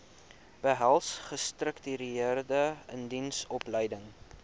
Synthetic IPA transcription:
b̥əɦælˠsχəstrəktyɾiiərdəəndinsɔpləjdəŋ

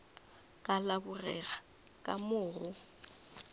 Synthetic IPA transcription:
kʼalabʊrɛɣa | kʼamʊːrʊ

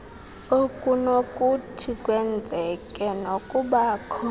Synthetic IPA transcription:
okʼunokʼutʰikʼwɛnd͡zʱɛkʼɛnokʼuɓaːkʰɔ

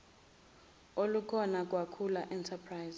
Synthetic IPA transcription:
olukʰɔnak̬ʼwakʰulaʔɛntʰapʰrajz

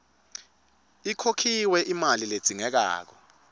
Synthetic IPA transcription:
ikʰokʰiwɛʔimaliled̥z̥ʱiŋɛk̬a̰ːk̬ɔ

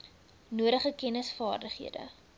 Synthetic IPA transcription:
nuəɾəχəkɛnəsfɑːrdəχɦḭədə̰

